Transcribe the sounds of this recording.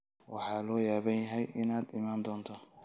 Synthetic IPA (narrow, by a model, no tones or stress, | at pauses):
wɑ̰ħɑːlɔːjaːβɐnjɐɦɛjʔɪnaːd̪ɪmaːnd̪ɔːnt̪ʰaː